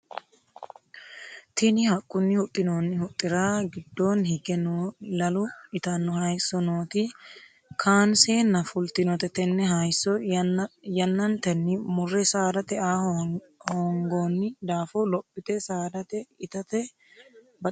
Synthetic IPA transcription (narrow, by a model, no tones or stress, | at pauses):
t̪ʰɪnɪhɐkʼːʊnːɪhʊt̪ʼːɪnoːnːɪhʊt̪ʼːɪɾaːɡɪd̪ːoːnhɪɡɛnolɐlʊᶑɪt̪ɐnːɔhɐjsːɔnoːt̪ɪ | kʰaːnseːnːɐfʊlt̪ɪnɔt̪ɛt̪ɛnːɛɦɐjsːɔ | jɐnːɐnt̪ɛnːɪmʊrːɛsaːd̪ɐt̪ɛaː | hoːŋɡoːnːɪd̪aːfɔlɔpʼːɪt̪ɛsaːd̪ɐt̪ɛɪt̪ɐt̪ɛ | bɐ